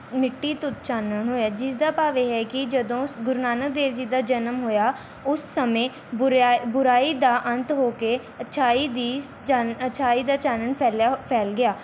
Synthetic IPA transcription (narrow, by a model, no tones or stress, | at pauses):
mɪʈːiːt̪ʊt͡ʃaːnəɳɦoːjaːd͡ʒɪsd̪aːpaːʋeːɦɛːkɪd͡ʒəd̪õːsɡʊɾnaːnək̚d̪eːʋd͡ʒiːd̪aːd͡ʒənəmɦoːjaː | ʊsːəmẽː | ʊɾbʊɾaːiːd̪aːʔə̃nt̪ɦoːkeː | ət͡ʃʰaːiːd̪iː | t͡ʃːət͡ʃʰaːiːd̪aːt͡ʃaːnəɳpʰɛːlapʰɛːlɡɪaː